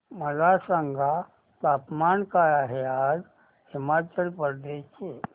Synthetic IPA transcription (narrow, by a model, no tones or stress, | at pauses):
məlasəŋɡʱa | t̪aːpmankaaɦead͡ʒ | himat͡ʃəlpəɾd̪et͡ʃʰe